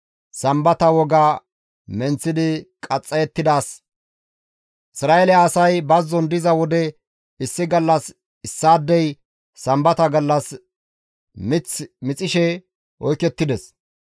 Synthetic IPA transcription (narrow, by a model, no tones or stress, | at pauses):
sɐmbɐt̪ɐwɔɡaː | mɛnt͡sːɪd̪ɪkʼɐt͡sʼːɐjɛt̪ːɪd̪aːs | ʔɪsɾaːɛlɛaːsɐjbɐzːɔnd̪ɪzɐwɔd̪ɛ | ɪsːɪɡɐlːɐs | ɪsːaːd̪ːɛj | sɐmbɐt̪ɐɡɐlːɐs | mɪt͡smɪt͡sʼɪʃɛ | ɔjkɛt̪ːɪd̪ɛs